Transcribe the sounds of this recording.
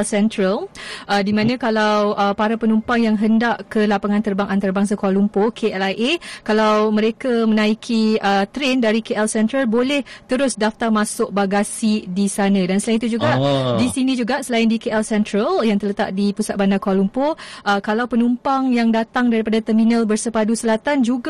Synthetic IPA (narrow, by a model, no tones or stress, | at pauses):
lsɛnt̪ɾəlʔədimãnãkalawʔəpaɾapənumpaŋjaŋɦəndaʔkəlapaŋãnt̪ərbaŋʔant̪arbaŋs̬akualumpokʰeʔɛlaʔekalawməɾekamənãikʰiət̪ɾendaɾikeʔɛlsɛnt̪ɾəlbolɛht̪əɾʊsdaft̪armãsʊʔ̚baɡasidisanãdansəlaɪnit̪ud͡ʒuɡaʔdisinĩd͡ʒuɡaʔsəlaɪndikeɛlsɛnt̪ɾəljaŋt̪ərlət̪a̰ʔdipusat̪̚bandakalumpoʔəkalawpənumpaŋjaŋdat̪aŋdaɾipadat̪ərminəlbərsəpadusəlat̪and͡ʒuɡa